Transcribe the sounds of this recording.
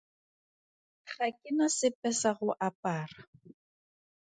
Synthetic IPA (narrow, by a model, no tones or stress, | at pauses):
χʰakʼɪnasɪpʼɛsaɣʊʔapʼaːra